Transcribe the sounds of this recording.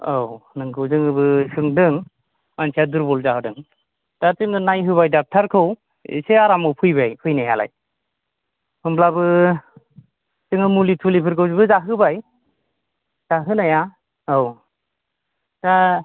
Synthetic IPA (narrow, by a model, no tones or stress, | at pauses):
awnɯŋɡɯwzɯŋɯbɯsɯŋdɯŋ | mansʰijaduɾbɔlzahɯdɯŋ | d̥atɯŋɯnajɦɯβajdak̚tʰaɾkʰɯw | ḭseaɾamɯwpʰɯjbajpʰɯjnajala̰j | pʰɯmblabɯ | tɯŋɯmulitʰulipʰɯɾɡɯwzɯbɯzaɦɯbaj | z̥aɦɯnaja | aw | d̥a